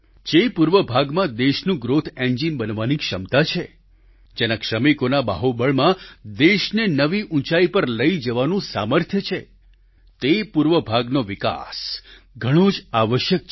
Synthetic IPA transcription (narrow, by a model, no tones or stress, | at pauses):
d͡ʒepuɾʋəbʱaɡmãd̪eʃnũɡɾot̪ʰẽɲd͡ʒimbənʋanikʃəmt̪at͡ʃʰe | d͡ʒenakʃəmikonaba̰ɦobəɭmãd̪eʃnenəʋiʔũt͡ʃaipəɾləid͡ʒəʋanũsa̰məɾt̪ʰjət͡ʃʰe | t̪epuɾʋəbʱaɡnoʋika̰s | ɡʱəɽ̃od͡ʒaʋəʃjək̚t͡ʃʰ